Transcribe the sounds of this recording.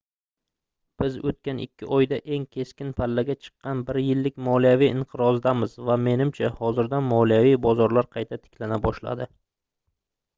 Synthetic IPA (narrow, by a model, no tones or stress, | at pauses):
b̥ɪzot̪̚kʲanɪ̰kʲːɪʔɒjd̪aʔe̞ŋkʲʰe̞skʲɪnpʰalːaɡʲat͡ʃʰɨ̥qːɑnbɪɾjɪlːɪkʲmɒlijavijʔɪɴqʰɨɾɒzd̪amɪzvame̞nɪmt͡ʃʰahɒzɪɾd̪anmɒlˠijavijbɒzɒɾlaɾqʰɑjt̪ʰat̪ʰɪ̥kʲlanabɒʃla̰d̪ɪ